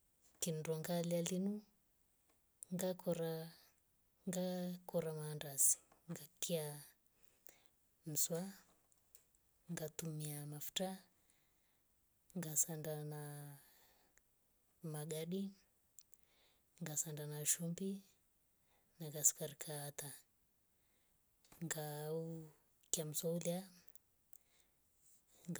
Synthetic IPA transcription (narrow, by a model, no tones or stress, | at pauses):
kindɔŋɡalialinu | ŋɡakʰɔɾa | ŋɡakɔɾamandasi̥ŋɡakʰia | m̩swa | ŋɡatumiamafu̥ta | ŋɡasaɳɖ͡ʐana | maɡaɗi | ŋɡasaɳɖ͡ʐanaʃumbi | naɡasi̥kaɾikʰaːt̪a | ŋɡau | kiamiswaulia | ɡ